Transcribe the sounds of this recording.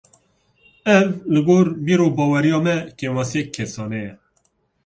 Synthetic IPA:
ɛvlɨɡoːɾbiːɾoːbɑːwɛɾijɑːmɛkemɑsijɛkʰːɛsɑːnɛjɛ

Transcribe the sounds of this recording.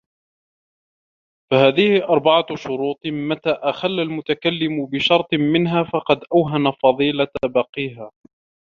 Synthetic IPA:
fahaːðɪhɪʔɑɾˤbɑʕaʃʊɾuːt̪ˤmat̪aːʔaxalːalmʊt̪akalːɪmʊbɪʃɑɾˤt̪ˤmɪnɦaːfɑqɑd̪ʔawɦanafɑðˤiːlabɑqiːɦaː

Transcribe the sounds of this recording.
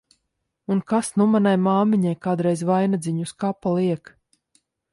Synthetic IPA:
unkasnumanajmaːmiɲajkaːd̪ɾɛjzvajnad̪zʲiɲuskapalˠiɛk

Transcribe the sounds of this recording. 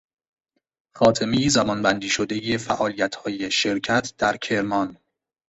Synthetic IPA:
xɒːt̪ʰemejizæbɒnbænd̪iːʃod̪e̞jefæʔɒːlijæt̪ʰhɒːje̞ʃe̞ɾcʰæt̪ʰd̪̥æɾcʰe̞ɾmɒn

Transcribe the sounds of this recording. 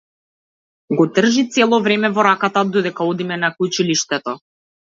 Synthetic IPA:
ɡɔd̪r̩ʒit̪sɛlˠɔvɾɛmɛvɔɾakat̪ad̪ɔd̪ɛkaɔd̪imɛnakut͡ʃiliʃt̪ɛt̪ɔ

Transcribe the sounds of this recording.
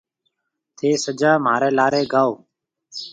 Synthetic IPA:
t̪ʰeːsəd͡ʒaːmaːɾeːlaːɾeːɡʱaːoː

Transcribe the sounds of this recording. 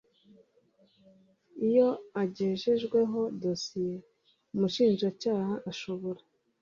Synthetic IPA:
ijo̞aɟeːʒeʒɡwe̞ɦo̞do̞sije̞ | umuʃiːnʒacaːhaʔaʃo̞βoɾa

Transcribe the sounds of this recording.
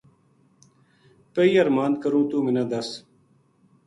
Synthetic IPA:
pɐiːɐɾmaːnd̪̚kɐɾũːt̪uːminɐd̪ɐs

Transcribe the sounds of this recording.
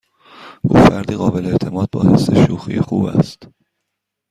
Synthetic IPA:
ɡ̥o̰fæɾd̪iːɣɒːbe̞leeʔt̪ʰe̞mɒːd̪̚bɒ̰ːhe̞sːe̞ʃuːxḭjexuːbæ̰st̪

